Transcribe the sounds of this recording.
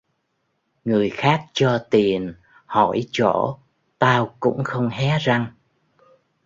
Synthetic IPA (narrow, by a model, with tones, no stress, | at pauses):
ŋɨ˨˩əjxaː˦˥k̚t͡ɕɔ˧t̪i˨˩ən | hɔ˧˩jt͡ɕo˧˩ | t̪aː˧wkʊ̰˧˥ŋ͡mxə˧wŋ͡mɦɛ˨˦za˧ŋ